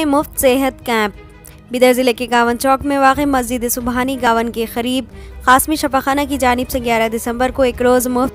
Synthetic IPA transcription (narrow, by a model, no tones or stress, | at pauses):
ẽmʊft̪seɦət̪kɛ̃ːp̚ | biːd̪əɾzɪlekeɡaːʋənt͡ʃɔːkmẽʋaːqemɐzd͡ʒɪd̪esʊbɦaːniɡaːʋənkexɐɾiːbxaːsmiʃɐfaxaːnakid͡ʒaːnɪbseɡjaːɾad̪ɪsə̃mbəɾkoeːkɾoːzmʊft̪